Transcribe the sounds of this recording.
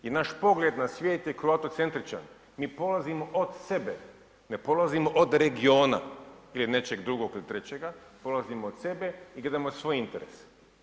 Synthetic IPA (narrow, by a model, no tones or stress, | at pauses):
jenaʃpo̞ɡlʲed̪nasʋjeːt̪jekɾuat̪ot̪se̞nt̪ɾit͡ʃa̰n | miːpo̞lˠazimoʔod̪sebe | nepo̞lˠazimoʔod̪ɾe̞ɡio̞ːna̰iline̞t͡ʃeɡd̪ɾuɡokilit̪ɾet͡ɕeɡapolˠazimoot̪se̞beiɡle̞d̪amosʋoːjint̪eɾḛs